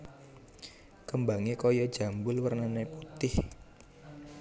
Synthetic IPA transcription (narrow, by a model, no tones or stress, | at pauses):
kəmbaŋekɔjɔ̥d͡ʒa̤mbʊlwərnaneput̪ɪh